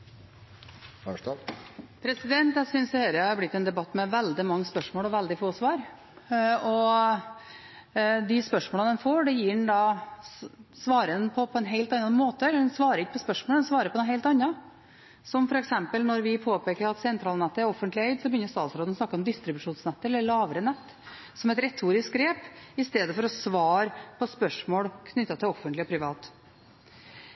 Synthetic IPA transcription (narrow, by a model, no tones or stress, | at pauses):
pʰɾɛsɪd̪ɛnt̪æɪsʏnsj̪ɛhɛɾəhɑɾblɪt̪ːɛnd̪ɛbɑt̪ːmɛʋɛld̪ɪmɑŋːəspœʂmoːlɔʋæld̪ɪfoːsʋɑːɾ | ɔ | d̪ɪspœʂmoːləd̪ɛnfoːɖɛjiːɖɛɳd̪ɑː | sʋɑːɾənpʰɔpʰɔɛnɦeɪlt̪ɑnɑnmoːt̪əɛlːəɖɛnsʋɑːɾəɾɪkːəpʰɔspœʂmoɔld̪ɛnsʋɑːɾəpɔd̪ɛnɦeɪlt̪ɑnːɑ | sɔmfɔɾɛksɛmpəlnɔɾʋɪpʰoːpeːkəɾɑt̪sɛnt̪ʰɾɑːlnɛt̪ːəæɾɔfːənt̪lɪɛɪd̪sɔbəjʏnːəst̪ɑːt̪sɾoːd̪ɔsnɑkːəɔmd̪ɪst̪ɾɪbʉʂuːnsnɛt̪ːəɾɛlːəɭɑːʋəɾənɛt̪ː | sɔmɛt̪ɾɛt̪ʰːuːɾɪskɾeːpɪst̪eːd̪əfɔɾɔsʋɑːɾpʰɔspœʂmoːɽkʰnʏt̪ːɑt̪ʰɪlɔfːənlɪɔpʰɾɪʋɑːt̪